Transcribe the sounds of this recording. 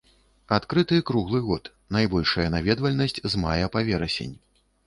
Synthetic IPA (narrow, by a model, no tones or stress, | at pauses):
at̪kɾɨt̪ɨkɾuɣlˠɨɣɔt̪ | najbɔlʲʂɐjɐnavʲɛd̪vɐlʲnɐsʲt͡sʲzmajɛpavʲɛɾɐsʲḛnʲ